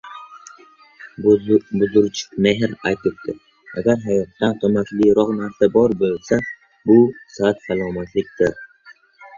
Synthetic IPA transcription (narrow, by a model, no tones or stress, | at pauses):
bʊzʊɾt͡ʃʰɪ̥kmeɦɾajt̪ʰɪp̚t̪ʰɪ | a̰ɡʲaɾɦajɒt̪ːant̪ʰɵmakʲlɪɾɒqnaɾsabɒɾbolsa | bʊsat̪falˠɒmat̪ʰlɪk̚ʲt̪ɪɾ